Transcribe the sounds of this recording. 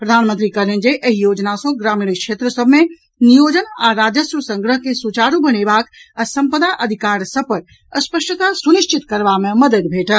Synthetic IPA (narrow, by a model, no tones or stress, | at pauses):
pɾɐd̪ʱaːnmənt̪ɾikəlẽnd͡ʒeʔɐɦijoːd͡ʒnasõɡɾaːmiːɽikʃeːt̪ɾəsəbʱmẽ | nijoːd͡ʒənaɾaːd͡ʒəsɾəsə̃ŋɡɾəɦkesut͡ʃaːɾubəñeːbaːksɐmpəd̪aʔɐd̪ʱikaːɾsəpɐɾ | əspəʃʈət̪asunɪʃt͡ʃit̪kɐɾʋamẽmɐd̪əd̪bʱeːʈə